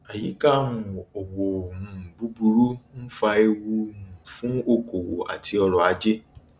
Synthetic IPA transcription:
a˨ji˨˦ka˦˨nũ˨o˨wo˨mũ˨bu˦bu˧ɾu˦n̩˦fa˧e˧wu˧ũ˨fũ˨˦o˦˨ko˨wo̰˨a̰˨ti˧ɔ˧ɾɔ˨a˨˧d͡ʒe˦

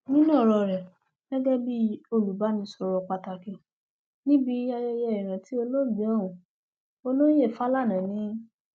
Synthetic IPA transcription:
nĩ˦nãː˦˨ɾɔ˧˨ɾɛ˨ | ɡɛ˦ɡɛ˦bi˦o˧lu˨ba˨˦nĩ˧˦sɔ˧ɾɔ˧k͡pa˧ta˧kĩ˧˨ | nĩ˦bi˧˦a˧jɛ˧jɛ˧i˨ɾ̃ã˨ti˨˦o˧lo˦˨bi˨˦ɔ˦˨ɾũ˨ | o˧lo˦je˦˨fa˦la˦˨nã˨nĩ˨˦

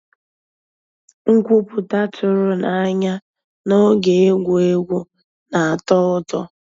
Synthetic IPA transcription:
ŋ̩˦kʷu˦pʊ˨ta˦t͡ʃʊ˨ɾʊ˦na˨˦ɲa˦ | no˦ɡe˨e˦ɡʷo˨e˦ɡʷu˦ | na˨a˨tɔ˦ʊ˦tɔ˦

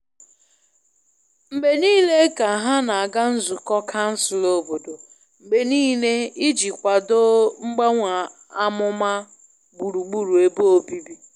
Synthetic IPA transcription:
m̩˨be˨niː˦le˦ka˨a˨ɦa˦na˨a˨ɡa˦n̩˦zu˨kɔ˦kʰa˦n̩˦sʊ˨lo˦bo˨do˨ | m̩˨be˨niː˦le˦i˦d͡ʒi˨kʷa˨do˦ŋ͡m̩˦ɡ͡ba˦ŋʷa˨ | a˦mʊ˦ma˦ | ɡ͡bu˨ɾu˨ɡ͡bu˨ɾu˨e˨bo˦o˨bi˦bi˦

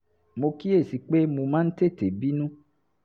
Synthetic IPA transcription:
mo˨ki˦e˦˨si˨k͡pe˦mũ˨mã˦n̩˦t̪e˦˨t̪e˨bi˦nũ˦

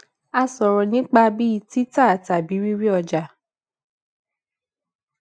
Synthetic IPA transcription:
a˧sɔ˨ɾɔ˨nĩ˨˦k͡pa˧bi˦i˧ti˦ta˦˨ta˨bi˨˦ɾi˦ɾi˦ɔ˧d͡ʒa˨

